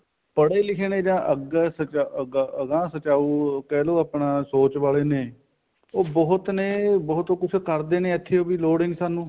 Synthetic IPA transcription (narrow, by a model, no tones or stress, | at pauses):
pəɽeːlɪkʰeːneːd͡ʒãːʔəɡsət͡ʃəɡəɡãːsət͡ʃaːuːkɛːloːaːpɳãːsoːt͡ʃʋaːleːneː | oːbɔːʊt̪neːbɔːt̪okʊt͡ʃʰkəɾd̪eːneːət̪ʰːeːoːbiːloːɽeːniːsaːnũː